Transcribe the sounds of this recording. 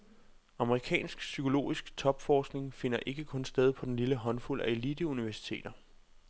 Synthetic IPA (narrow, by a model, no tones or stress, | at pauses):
ɑ̈məʁikʰɛ̰ːnsɡ̥sykʰo̝lo̝̰ːisɡ̥t͡sʰɒ̽b̥fɒːsɡ̥ne̝ŋfe̝n̰ɐʔe̝ɡ̥əkʰɔ̽nsd̥eð̞ˠpʰɒ̽d̥en̩liləɦɒ̽nfulʔæelid̥əuniʋæɐsi̥t͡sʰe̝̰ːd̥ɐ